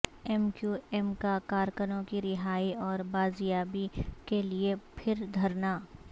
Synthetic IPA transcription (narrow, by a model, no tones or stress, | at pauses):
ɛmkjuɛmkakaːɾkənõkiɾɪɦaːiɔːɾbaːzɪjaːbikeliepʰɪɾd̪ʱɐɾnaː